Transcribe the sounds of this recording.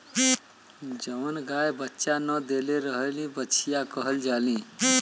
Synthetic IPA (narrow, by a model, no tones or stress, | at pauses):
d͡ʒəmnɡajbətːʃanəd̪eleɾəɦəlĩbətːt͡ʃʰijakəɦəld͡ʒalĩ